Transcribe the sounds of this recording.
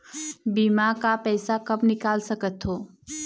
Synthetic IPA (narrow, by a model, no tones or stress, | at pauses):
biːmakapɛːsakɐbnɪkaːlsɐkət̪ɦoː